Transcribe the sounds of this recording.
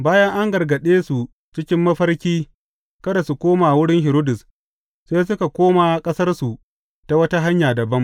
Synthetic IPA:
baː˦jɐ˦ŋʔa˦ŋɡɐ˨rɡɐ˨ɗeː˦su˨ | t͡ʃɪ˦kʲɪ˦mːɐ˦ɸɐ˦rkʲiː˦ | kɐ˦da˨su˨kʷoː˦maː˨wʊ˦ɽɪ˦ŋɦɪ˨ɾoː˦dʊ˨s | seː˦s̬ʊ˦ka˨kʷoː˦maː˨kʼɐ˦sɐ˦rsu˨ | ta˨wɐ˦ta˦ɦa˦ɲjaː˨dɐ˨bɐ˦m

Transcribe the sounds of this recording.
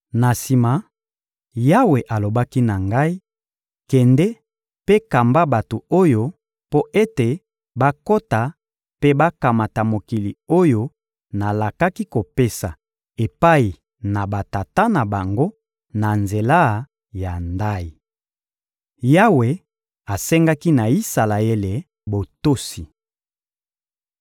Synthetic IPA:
na˨si˨ma˨ | ja˦we˨ʔa˨lo˨ba˦ki˦na˨ŋɡa˦i˦ | kɛ˨ndɛ˦ | pe˦ka˨mba˦ba˨to˨o˦jo˦ | po˦ʔe˦te˨ | ba˦ko˦ta˨ | pe˦ba˦ka˨ma˨ta˨mo˨ki˨li˨o˦jo˦ | na˨la˨ka˦ki˦ko˨pe˦sa˨ | e˨pa˦i˨ | na˨ba˨ta˨ta˦na˨ba˨ŋɡo˦ | na˨nze˨la˦ | ja˨nda˦i˨ | ja˦we˨ | a˨sɛ˦ŋɡa˦ki˦na˨i˦sa˨la˨e˦le˨ | bo˨to˦si˨

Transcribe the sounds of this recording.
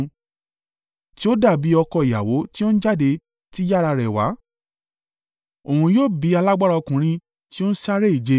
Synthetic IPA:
ti˦o˦da˦˨bi˨˦ɔ˧kɔ˧i˨ja̰˨wo˨˦ti˦o˦ñ̩˦d͡ʒa˦˨de˧ | ti˦ja˦˨ɾa˧ɾɛ˨wa̰˨˦ | o˨ũ˧joː˦˨bi˨˦a˧la˦ɡ͡ba˦ɾa˧kũ˨˦ɾ̃ĩ˧ | ti˦o˦n̩˦sa˦ɾe˦i˦˨d͡ʒe˧˦

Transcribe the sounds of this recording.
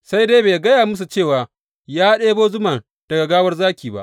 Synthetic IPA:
sa˦jdeː˦beː˨ɡɐ˦jaː˨mʊ˦s̬u˨t͡ʃeː˦˨waː˨ | jaː˦ɗeː˦boː˦zʊ˦ma˨n | d̥ɐ˨ɡa˨ɡaː˦wɐ˦rzaː˦kʲiː˨ba̰˦ʔ

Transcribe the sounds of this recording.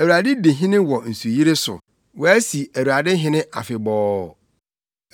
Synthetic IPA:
æ˨wu˨ɾa˨dɪ˦de˨ɦɪ̃˦nɪ̃˦wɔ˨n̩˨su˨ji˦ɾe˦sʊ̰˨ | wɔ˨æ˦si˨æ˨wu˨ɾa˨dɪ˦ɦɪ̃˦nɪ̃˦ʔa̰˨fɪ˨bɔː˦˨

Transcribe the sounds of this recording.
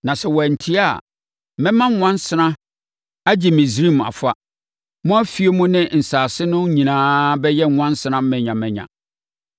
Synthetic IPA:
nã˨sɛ˨wɔ˨æ˨n̩˨tʰi˦a˦˨ | mɪ̃˦mã˦ŋ˦ŋʷã˦n˦sɪ˦nã˦ | a˦d͡ʑɪ˨mĩ˨sɾi˦˨m˨a̰˨fa˦ | mʊ̃˦æ˦fi˦e˦mũ˦nɪ̃˦n̩˨saː˨sɪ˦nʊ̃˦ɲĩ˨nãː˦bɛ˦jɛ˦ŋ˨ŋʷã˦n˦sɪ˦nã˦m̩˦mɛ̃˨ɲã˨mɛ̃˨ɲã̰˨

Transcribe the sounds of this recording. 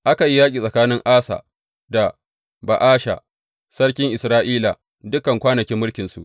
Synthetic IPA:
ʔa˦ka˨ji˦jaː˦kʼiː˨sʼɐ˨kaː˦nɪ˦ŋʔaː˦sa̰˨ | da˨ | ba̰˨ʔaː˦ʃa̰˨ | sɐ˦ɽkʲɪ˦ŋʔɪ˨sɾaː˦ʔiː˦la̰˨ | dʊ˦kɐ˨ŋkʷaː˦nɐ˨kʲɪ˦mːʊ˦lkʲɪ˨nsṵ˨ʔ

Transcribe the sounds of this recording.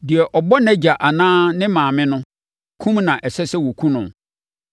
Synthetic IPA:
dɪ˨ɛ˨ʔɔ˨bɔ˦nɛ̃˦d͡ʑa˨ʔa˨nãː˦nɪ̃˦mãː˨mɪ̃˦nʊ̃˦ | kʰũ˦mnã˨ʔɛ˨sɛ˦sɛ˦wo˨kʰũ˦nʊ̰̃˨

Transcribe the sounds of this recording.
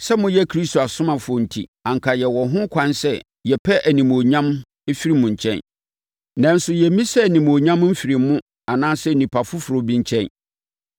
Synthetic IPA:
sɛ˦mʊ̃˨jɛ˦kʰɾi˦sto˨a˨sʊ̃˦mã˨fʊ˨˦ɔ˨n̩˨tʰḭ˦ã˨ŋ̩˨kʰa˨jɛ˨wɔ˨ɦʊ̃˦kʷʰã˦nsɛ˦ | jɛ˨pʰɛ˦ʔæ˨nĩ˨mo˨ɲã˦m | e˦fi˦ɾi˦mʊ̃˨ɲ̩˨t͡ɕʰɛ̰̃˦n | nã˨n̩˦sʊ˨jɛ˨˦mĩ˦sɛ˦˨nĩ˨m˨o˨ɲã˦mm̩˦fi˨ɾɪ˨mːʊ̃˦ | a˨nãː˦sɛ˦˨nĩ˨pʰa˨fʊ˦fʊ˨ɾo˦bĩ˦ɲ̩˦t͡ɕʰɛ̃˦n

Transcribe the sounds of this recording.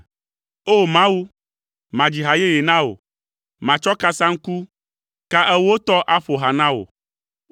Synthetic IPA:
o˦˨mã˦wu˦ | mã˨d͡ʑi˨ɦa˨je˦je˨nã˦o̰˨ | mã˨t͡ʃɔ˦ka˦sã˦ŋ̩˦ku˦ | ka˦ʔɛ˦wo˦t̪ɔ˦ʔa˦ɸo˨ɦa˨nã˦wo̰˨

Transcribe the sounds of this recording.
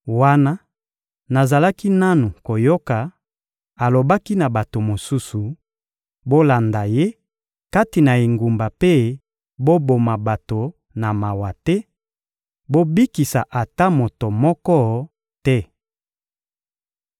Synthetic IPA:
wa˦na˦ | na˨za˨la˦ki˦na˦nu˨ko˨jo˦ka˨ | a˨lo˨ba˦ki˦na˨ba˨to˨mo˨su˦su˨ | bo˦la˨nda˨je˦ | ka˦ti˨na˨e˨ŋɡu˨mba˨pe˦ | bo˦bo˨ma˨ba˨to˨ | na˨ma˨wa˨tɛ˦ | bo˦bi˦ki˨sa̰˨ʔa˨ta˦mo˨to˨mɔ˦kɔ˦ | tɛ˦

